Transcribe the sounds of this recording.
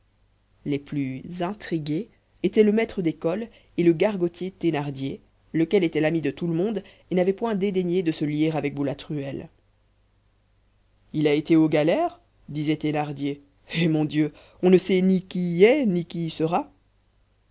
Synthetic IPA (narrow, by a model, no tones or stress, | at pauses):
leplyzɛ̃t̪χiɡeː | t̪ɛləmɛt̪χəd̪ekɔl | eləɡaʁɡɔt̪ʰjet̪enaʁd̪je | ləkʲɛlet̪ɛlamid̪ət̪uləmɔ̃d̪ | enavɛpwɛ̃d̪ed̪eɲed̪əsəlieʁavɛk̚bulat̪χyɛl | ilaet̪eoɡalɛːʁ | d̪izɛt̪enaʁd̪je | emɔ̃d̪jø | ɔ̃nəsɛnikʲiɛnikʲisəʁa